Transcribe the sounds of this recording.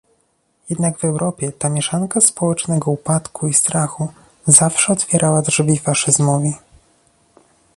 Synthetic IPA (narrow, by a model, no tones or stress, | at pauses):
jɛd̪naɡvɛwɾʔɔpʲjɛt̪amʲjɛʂaŋkaspɔwɛt͡ʂnɛɡɔupat̪kʰuist̪ɾaxu | zafʂɛɔt̪fʲjɛɾʔawadʐvʲifaʂɘzmɔvʲi